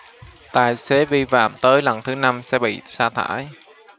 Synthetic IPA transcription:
t̪a̰ː˨˩jse˨˦vi˧fa̰ː˧˨mt̪əː˨˦jlə˨˩nt̪ʰɨ˨˦na˧msɛ̰˧˥ɓḭ˧˨saː˧t̪ʰa̰ː˧˥˩j

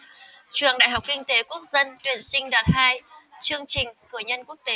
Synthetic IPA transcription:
t͡ɕwɨ̰˧˩əŋɗaː˧˨jɦa˨˩k͡p̚kï˧ŋ̟t̪e˨˦ku˦˥ək̚zə˧nt̪wi˨˩ənsï˧ŋ̟ɗɔ˨˩t̚haː˧jt͡ɕɨ˧əŋt͡ɕï˨˩ŋ̟kɨ˧˩əɲə˧nku˦˥ək̚t̪e˨˦

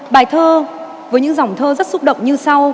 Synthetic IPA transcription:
ɓaː˧˩jt̪ʰəː˧ | vəː˨˦jɲɨ̰˧˥ŋza˨˩wŋ͡mt̪ʰəː˧zə˦˥t̚sʊ˦˥k͡p̚ɗə̰˧˨wŋ͡mɲɨ˧sa˧w

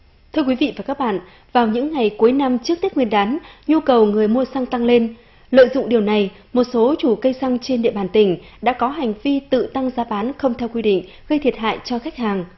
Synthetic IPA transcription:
t̪ʰɨ˧əkwi˨˦vḭ˧˨vaː˨˩kaː˦˥k̚ɓa̰ː˧˨nʔ | vaː˨˩wɲɨ̰˧˥ŋːa˨˩jku˨˦jna˧mt͡ɕɨ˦˥ək̚t̪i˦˥k̚wi˧ənɗaː˨˦nɲu˧kə˨˩wŋɨ˨˩əjmu˧əsa˧ŋt̪a˧ŋle˧n | lə̰ː˧˨jzʊ̰˧˨ŋ͡mɗi˨˩əwna˨˩j | mo˨˩t̚so˨˦t͡ɕu˧˩kə˧jsa˧ŋt͡ɕe˧nɗḭ˧˨əɓaː˧˩nt̪ï˧˩ŋ̟ɗa̰ː˧˥kɔ˨˦ɦa˨˩jŋ̟vi˧t̪ɨ̰˧˨t̪a˧ŋzaː˨˦ɓaː˨˦nxə˧wŋ͡mt̪ʰɛ˧wkwi˧ɗḭ˧˨ŋ̟ | ɣə˧jt̪ʰi˨˩ət̚ɦa̰ː˧˨jt͡ɕɔ˧xa˦˥jk̚haː˨˩ŋ

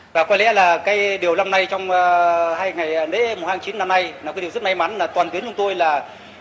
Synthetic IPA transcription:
vaː˨˩kwaː˧jlɛ̰˧˥laː˨˩kaː˨˦jɗi˨˩əwla˧wŋ͡mna˧jt͡ɕɔ˧wŋ͡mːhaː˧jŋa˨˩jɗe˧˦˥mo˨˩haː˧ŋt͡ɕi˨˦nːa˧mna˧jnaː˨˩waː˨˦ɗi˨˩˨zt̚ma˧jma˨˦nlaː˨˩t̪wa˨˩nt̪i˨˦ənt͡ɕʊ˧ŋ͡mt̪o˧jlaː˨˩

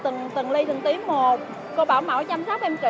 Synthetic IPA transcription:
t̪ɨ˨˩ŋt̪ɨ˨˩ŋli˧t̪ʰɨ˨˩ŋt̪i˨˦ənmo˨˩t̚ | ko˧ɓaː˧˩wma̰ː˧˩wt͡ɕa˧msaː˦˥p̚ʔɛ˧mt͡ɕḭ˧

